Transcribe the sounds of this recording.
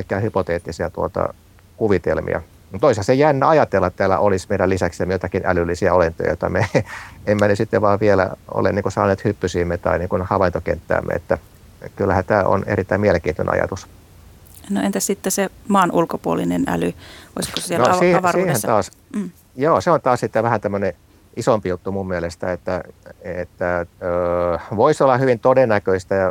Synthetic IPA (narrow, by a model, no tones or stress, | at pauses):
lkːˑæːhypot̪eːt̪ːisiɑt̪uot̪ɑ̰ | kuʋit̪elmḭɑ̰ | mt̪oishɑsejænːæɑjɑt̪elːɑt̪t̪æːlːæ̰ʔolismeiɾælisæksemijot̪ɑkinælylːisiæolent̪o̰jɑ̰jot̪ːɑmeemːænysit̪ːeʋʋɑːʋʋielæ̰o̰leniːkusɑːneːt̪hypːysiːmːet̪ɑ̰iniːŋkunhɑʋɑint̪okḛnt̪ːæ̰ːmːḛḛt̪ːæ | kylːæhænt̪æːʔo̰nḛrit̪ːæimieleŋkiːnt̪ːynḛɑ̰jɑ̰t̪us | noent̪æssit̪ːesemɑːnʔulkopuolinenæ̰lyʔo̰iskosielnosihʋɑsiːent̪ɑːs | joːseont̪ɑːssit̪ːeʋæhænt̪æmːøne | ʔisompijut̪ːumummiælest̪æet̪ːæet̪ːæøʋoisolːɑhyʋint̪odenːækøist̪æjɑ